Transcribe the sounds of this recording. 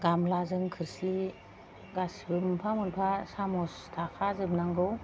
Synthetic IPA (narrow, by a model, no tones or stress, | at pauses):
ɡamlazɯŋkʰɯɾsi | ɡasbɯmpʰamɯnpʰasamɔstʰakʰazɯbnaŋɡɯw